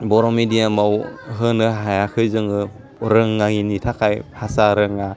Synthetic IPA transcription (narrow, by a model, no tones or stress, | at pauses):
bɔɾɔmidiamawɦɯnɯɦajakʰɯjzɯŋɯ | ɾɯŋːaŋinitʰakʰajhʰasaɾɯŋa